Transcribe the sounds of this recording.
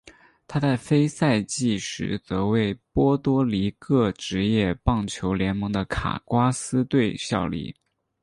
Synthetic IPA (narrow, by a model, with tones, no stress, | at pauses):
t̪ʰa˥t͡sa˥˩ɪfe˥ɪsa˥˧ɪt͡ɕi˥˩ʂɻ̩̰˧˥t͡sɤ˧˥we˥˩ɪpwɔ˥t̪wɔ˥li˧˥kʰɤ˥˩ʈ͡ʂɻ̩˧˥jɛ˥˧pɑ˥˩ŋt͡ɕʰjo˧˥ʊljɛ˧˥nmɤ˧˥ŋd̪ə˧kʰa̰˨˩kwa˥sɹ̩˥t̪we˥˧ɪɕjɑ˥˩ʊlḭ˥˩